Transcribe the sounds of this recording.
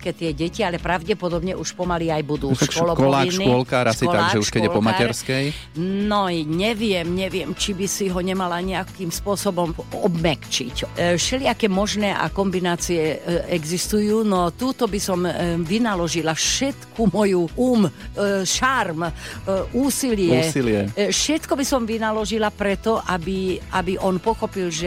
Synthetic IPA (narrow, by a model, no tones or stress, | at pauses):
ɛkɛt̪ɪɛɟɛcialɛpɾaʊɟɛpɔd̪ɔbɲɛʔuʃpɔmaliajbud̪uːaʃkɔlɔkɔlaːniɔlkaːɾasiɔaaɡʒɛuʃkɛɟɛɔlpɔmaaɛɾskɛj | nɔɲɛʋɪɛmɲɛʋɪɛmt͡ʃibisiɦɔɲɛmalaɲɛakiːmspʊɔsɔbɔmɔbmɛkt͡ʃḭcʃɛlɪakɛːmɔʒnɛːʔa̰kɔmbinaːt͡siɛɛɡzist̪ujuːnɔt̪uːt̪ɔbisɔmʋinalɔʒilaʃɛt̪kʰumɔjuʔuːmʃarmʔuːsilɪɛilɪɛʃɛt̪kɔbisɔmʋinalɔʒilapɾɛt̪ɔʔabiʔabiʔɔnpɔxɔpilʒɛ